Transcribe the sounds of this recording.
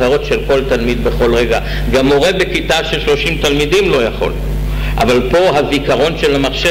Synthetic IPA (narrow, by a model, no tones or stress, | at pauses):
aʁo̞tʃe̞lko̞lt̪almid̪be̞χo̞lʁeɡa | ɡamoʁebekit̪aʃelʃlo̞ʃimt̪almid̪imlo̞jaχo̞̰l | ʔavalpo̞ɦavikaʁo̞nʃe̞lamaχʃe